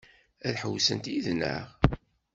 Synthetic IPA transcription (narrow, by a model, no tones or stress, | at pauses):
æðħəwsənt̪iðnə̰ʁ